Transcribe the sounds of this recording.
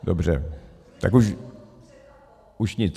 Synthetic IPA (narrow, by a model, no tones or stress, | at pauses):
dobr̝ɛ̰ | t̪a̰kuʃ | uʃɲɪt͡s